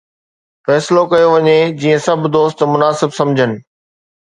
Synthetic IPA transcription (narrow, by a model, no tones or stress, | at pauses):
fɛːsɪlokɐjoʋɐɲed͡ʑiːə̃sɐbʱd̪oːst̪mʊnaːsɪbsɐ̃md͡ʑʱənɪ̆